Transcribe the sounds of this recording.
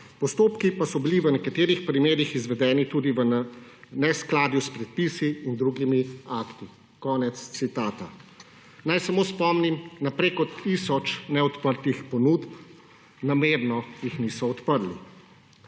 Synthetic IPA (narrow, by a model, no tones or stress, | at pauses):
pɔst̪oːpkipasɔbiliʋənɛkat̪eːɾixpɾimeːɾixizʋɛd̪ɛːnit̪uːd̪iʋənnɛsklaːd̪juspɾɛt̪̚pisiːnd̪ɾuɡimiakt̪i | kɔːnɛt̪st̪sit̪aːt̪a | najsamoːspɔmnimnapɾekɔt̪ʰisɔt͡ʃnɛɔt̪pəɾt̪ixpɔnuːt̪p | nameɾnɔjixnisɔɔt̪pəɾlḭ